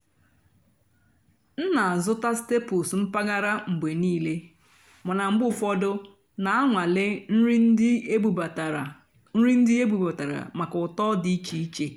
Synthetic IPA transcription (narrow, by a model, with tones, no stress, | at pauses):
n̩˦na˨a˨zʊ˦ta˦ste˦pʊ˨sm̩˦pa˦ɡa˦ɾa˦ŋ͡m̩˨ɡ͡be˨niː˦le˦ | mʊ˨na˨ŋ͡m̩˨ɡ͡bʊ˦˨fɔ˦dʊ˦ | na˨a˦ŋʷa˨lɪ˦n̩˦i˦n̩˦dɪ˦e˦bu˨ba˨tɾa˨ | n̩˦ɾi˦n̩˦dɪ˦e˦bu˨ba˨ta˨ɾa̰˨ma˨kʊ˨tɔ˦di˨˦i˦t͡ʃi˨i˦t͡ʃe˦